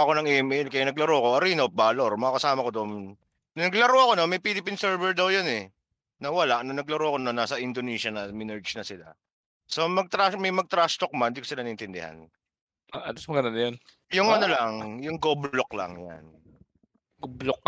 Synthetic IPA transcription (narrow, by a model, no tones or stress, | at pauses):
ɐko̞nɐŋɛmʔɛlkɐjanɐɡlɐɾowɐko̞ʔɐɾiːnop̚baːloɾmɐɡakɐsaːmɐkod̪oʔm | nɐɡlɐɾowʔɐko̞nomɐjpilɪpinsɛɹvɛɹd̪ɐwjonɛ | nɐwɐlaʔnɐnɐɡlɐɾowɐko̞nanaːsɐʔɪnd̪oniːʃɐnɐmɪnɛɹd͡ʒnɐsɪla̰ | somɐɡ̚t̪ɾamɐjmɐɡ̚t̪ɾast̪ok̚mɐnd̪iːkosɪlanɐʔɪnt̪ɪnd̪ɪ̰ha̰n | aʔɐlosmɐɡɐnanɐjon | jʊŋɐnolaŋjʊŋɡoblloklɐ̰ŋja̰n | ɡoblok̚